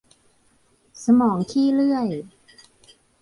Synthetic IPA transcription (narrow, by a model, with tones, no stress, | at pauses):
sa˧mɔː˩˦ŋt̪ʰiː˥˩lɯ˥˩əj